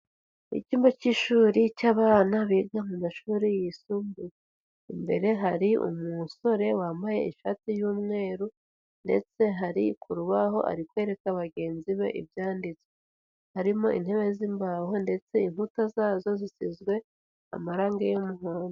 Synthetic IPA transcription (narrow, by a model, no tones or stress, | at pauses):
ḭciːmbociʃuːɾicaːβaːnaβiːɡamumaʃuːɾijisumbu | imbe̞̰ɾe̞ɦaɾiʔṵmuso̞ɾe̞waːmbaje̞̰ḭʃatijuːmŋe̞ːɾu | nde̞̰t͡se̞ɦaɾikʰuɾuβaɦo̞̰ʔa̰ɾikwe̞ːɾe̞kaβaɡe̞ːnziβe̞̰ʔḭbjaːndit͡swe | haɾimo̞ʔḭn̥he̞βe̞zimbaho̞nde̞t͡se̞inhutazaːzo̞zisizɡwe̞ | a̰maɾaːŋɡejomuhoːno